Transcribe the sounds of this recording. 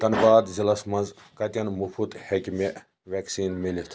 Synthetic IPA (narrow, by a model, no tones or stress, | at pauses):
t̪ɐnbaːd̪zilɐsmɐnz | kɐt̪ʲɐnmufʰut̪hekʲime | ʋʲɛksiːnmilit̪ʰ